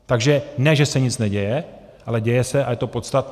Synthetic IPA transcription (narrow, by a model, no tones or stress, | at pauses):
t̪aɡʒɛnɛʒɛsɛɲɪt͡snɛɟɛjɛ | ʔalɛɟɛjɛsɛʔajɛt̪o̞pot̪st̪at̪